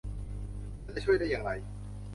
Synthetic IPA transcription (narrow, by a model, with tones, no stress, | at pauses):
a˧˩t͡ɕa˧˩t͡ɕʰu˥˩əjda˥˩jaː˨˧ŋɾa˧j